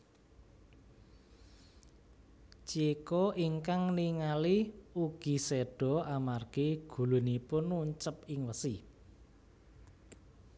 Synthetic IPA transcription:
t͡ʃekɔʔiŋkaŋniŋaliuɡ̥i̤sɛɖ̥ɔ̤amarɡ̥eɡ̥ṳlṳnipʊnuɲt͡ʃəpɪŋwəsi

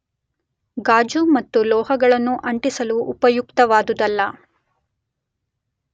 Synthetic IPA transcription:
ɡaːd͡ʒumɐt̪ːulɔːɦɐɡɐɭɐnːuʔɐɳʈisɐluʔːpɐjukt̪ɐʋaːd̪ud̪ɐlːɐ

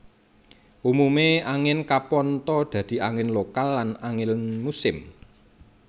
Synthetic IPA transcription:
ʔumumeaŋɪnkapɔnt̪ɔd̪̥ä̤d̪̥i̤ʔaŋɪnlokalːanaŋɪlmusɪm

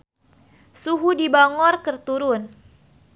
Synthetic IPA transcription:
suɦudibaŋɔrkərt̪uɾʊn

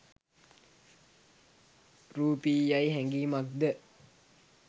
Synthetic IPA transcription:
ruːpiːjajɦæŋɡiːmak̚d̪ə

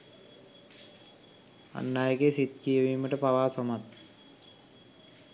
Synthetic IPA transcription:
a̰nːaːjəkesit̪̚kijəʋiːməʈəpaʋaːsomat̪̚

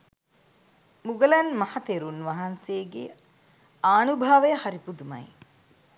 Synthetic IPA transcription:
muɡəlɐnmɐhɐt̪eɾunʋɐɦɐnsejɡḛ | aːnubʱaːʋəjəhaɾipud̪umɐ̰j

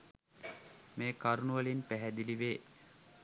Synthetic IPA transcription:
meːkaɾunuʋɐlinpæɦæd̪iliʋeː

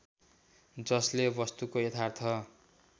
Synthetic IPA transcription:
d͡zʌslebʌst̪ukojet̪ʰart̪ʰʌ

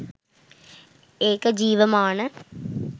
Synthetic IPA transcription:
eːkd͡ʑiːʋɐmaːɳɨ

